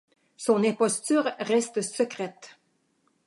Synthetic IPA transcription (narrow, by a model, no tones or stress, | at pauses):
sɔnepɔst̪ʰyːʁʁɛst̪əsœkʁɛt̪